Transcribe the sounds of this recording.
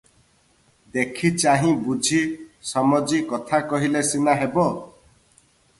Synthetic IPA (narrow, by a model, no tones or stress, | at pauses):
d̪ekʰit͡ʃaɦĩbud͡ʒʱisɔmɔd͡ʒikɔt̪ʰakɔɦilesinaɦebɔ